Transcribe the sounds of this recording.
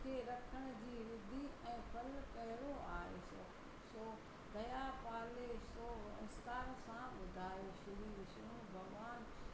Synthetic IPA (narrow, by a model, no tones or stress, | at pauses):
kʰeːɾɐkʰəɽ̃ʊ̆d͡ʑiːɾɪd̪ʱiʔɛ̃ːpʰɐlkɐɦɪɾoaːɦeso | soː | d̪ɐjapaːlesoːɪ̃st̪aːɾsãɓʊd̪ʱaːeʃʊɾiːʋɪʃɾũbʱɐɡʋaːn